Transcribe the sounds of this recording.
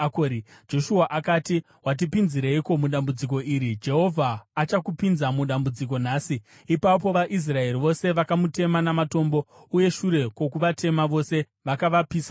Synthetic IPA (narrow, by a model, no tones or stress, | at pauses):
koɾid͡ʒo̞ʃuaʔakaːti | wat̬ipinziɾeiko̞muɗambud͡zik̬o̞iːɾid͡ʒe̞ɦo̞vʱaːt͡ʃakupinzamuɗambud͡zik̬o̞naːsi | ipapo̞ʋaʔis̬rae̞riʋo̞se̞ʋakamute̞manamato̞mbo̞ | uje̞ʃuɾe̞kwo̞kuʋatʰe̞maʋo̞se̞ | ʋakaʋapiːsa